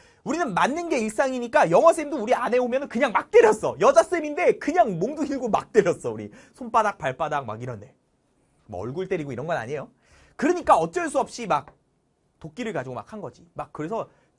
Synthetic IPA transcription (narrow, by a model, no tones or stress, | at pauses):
uɾinɯnmanːɯnɡe̞iɭs͈aŋiɲik͈ajʌŋɦwasʰendouɾianɦe̞omjʌnɯnkɯɲaŋmak̚t͈e̞ɾjʌs͈ʌjʌd͡ʑas͈ɯminde̞kɯɲaŋmoŋdɯɦiɭɡoma̰k̚t͈eɾjʌs͈ʌuɾḭ | sʰonp͈adak̚paɭp͈adak̚ma̰kiɾʌnde̞ | mo̰ʌɭɡuɭt͈e̞ɾiɡoiɾʌnɡʌna̰ɲejo | kɯɾɯɲik͈aʌt͡ɕ͈ʌɭs͈ʰuʌp̚ɕ͈imak̚ | tok͈̚iɾɯɭkad͡ʑiɡoma̰k̚ʰanɡʌd͡ʑimak̚k͈ːɯɾe̞sʰʌ